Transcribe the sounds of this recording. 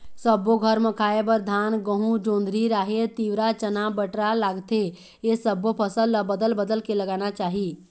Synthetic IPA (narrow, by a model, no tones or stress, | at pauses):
səbːoɡʱəɾmə̃kʰaːebəɾd̪ʱaːnɡəɦũd͡ʒõːnd̪ʱɾiɾaːɦet̪iːʋɾat͡ʃənabəʈɾalaːɡt̪e | esəbːopʰəsəlːbəd̪əlbəd̪əlkeləɡaːnat͡ʃaːɦi